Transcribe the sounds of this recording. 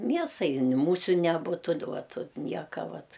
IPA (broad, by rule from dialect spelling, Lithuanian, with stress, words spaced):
ˈmʲiɛsɐɪ nʲɪ ˈmuːsʲʊ nʲɛˈbʊtʊ t ˈuɔt ʊt ˈnʲiɛkɐ ˈʋɐt